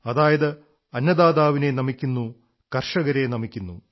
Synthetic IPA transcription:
ɐd̪aːjɐðɐ | ɐnːɐd̪aːd̪aːʋine̞nɐmikʲːunːu | kɐrʂɐɣɐɾenɐmikʲːunːu

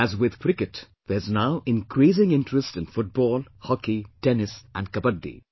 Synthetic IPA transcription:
æzwɪd̪pɾɪkɨʈ | ð̥ɛznaʊʔɪ̃nkɾiːs̬ɪ̃ŋɪ̃nʈɾəsʈɪ̃nfʊʈ̚bɔːlhɔkiʈenɪsʔæ̰̃nɖ̚kʌbəɖːḭ

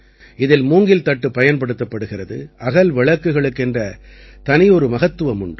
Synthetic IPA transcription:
ɪðɪlmuːŋɡɪlt̪ɐʈːɯpːɐjɐnpɐɽɯt̪ːɐpːɐɽɯɣɪrɐðɯ̰ʔɐɣɐlʋɪɭɐkːɯɣɐɭɯkːɛndrɐt̪ɐnɪjɔɾɯmɐɣɐt̪ːɯʋɐmʊɳɖɯ

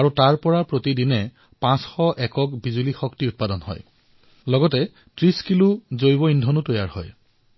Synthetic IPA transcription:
aɹutaɹpɔɹapɹotidinɛ | pãsxɔʔɛkɔkbizulixɔktiut̚padɔnhɔ̰j | lɔɡɔtɛ | tɹiskiluzojbɔindʱɔnutojaɹhɔ̰j

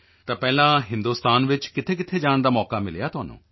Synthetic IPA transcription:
t̪ãːpɛːlãːɦɪ̃nd̪uːst̪aːnʋɪt͡ʃkɪt̪ʰeːk̬ɪt̪ʰeːd͡ʒaːɳd̪aːmɔːkaːmɪljaːt̪ʊɦaːnṵ̃ː

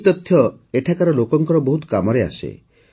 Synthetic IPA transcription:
t̪ɔt̪ʰːjɔ | eʈʰakaɾɔlokɔŋkɔɾɔboɦut̪ɔ̥kamɔɾea̰sḛ

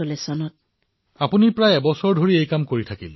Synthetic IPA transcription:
olesɔnɔt̚ | apunipɹajɛbɔsɔɹdʱoɹiejkamkoɹitʰakḭl

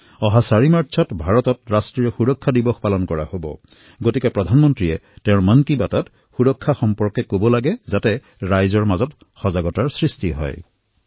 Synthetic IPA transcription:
ɔɦasaɹimaɹtt͡ʃʰɔtbʱaɹɔtɔtɹastɹijɔxuɹɔkʰːadibɔxpalɔnkɔɹa̰hobɔ̰ | ɡotikɛpɹɔdʱanmɔntɹiɛtɛʊ̃ɹmankibatat | xuɹɔkʰːaxɔmpɔɹkɛkobɔlaɡɛzatɛ | ɹajzɔɹmazɔt | xɔzaɡɔtaɹsɹistiɦɔ̰j

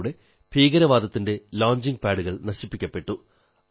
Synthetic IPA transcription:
ɽe̞ | bʱiːɡɐɾɐʋaːd̪ɐt̪ːinde̞laːɲd͡ʑiŋɡpaːɽuɣɐɭnɐɕipːikʲːɐpːe̞ʈːu

